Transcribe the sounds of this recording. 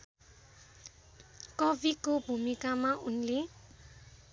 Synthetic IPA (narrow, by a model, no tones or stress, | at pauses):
kʌbʱikobʱumikamaunle